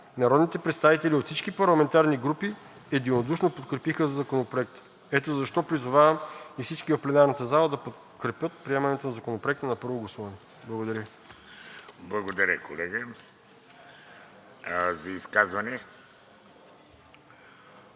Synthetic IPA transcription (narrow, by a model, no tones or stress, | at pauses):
nɐɾɔd̪nit̪ɛpɾɛt̪st̪avit̪ɛlʲiot̪fsit͡ʃkipɐɾlˠɐmɛnt̪aɾniɡɾupi | ɛd̪inod̪uʃnopot̪̚kɾɛpixəzɐzɐkonopɾoɛk̚t̪ə̥ | ɛt̪ozɐʃt̪ɔpɾizovavɐmifsit͡ʃkivɐfplɛnaɾnət̪əzalˠɐd̪ɐpot̪ | kɾɛpʲjɤt̪̚pɾiɛmɐnɛt̪onɐzɐkonopɾoɛkt̪ənɐpɤɾvoɡlˠosɔvnɛ | blˠɐɡod̪ɐɾʲə | blˠɐɡod̪ɐɾʲə̰kolɛɡə | zɐiskazvɐnɛ